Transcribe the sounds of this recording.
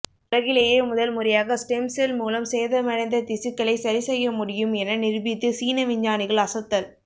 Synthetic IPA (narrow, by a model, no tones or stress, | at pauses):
ʊɾɐɣɪleːjeːmʊðɐlmʊrɪjaːɣɐsʈɛmselmuːlɐmseːðɐmɐɽɐɪnd̪ɐt̪ɪsɪkːɐɭɐɪsɐɾɪsɛjːɐmʊɽɪjɯmɛnɐnɪɾbɪt̪ːɯsiːnɐʋɪɲd͡ʒaːnɪɣɐɭɐsɐt̪ːɐl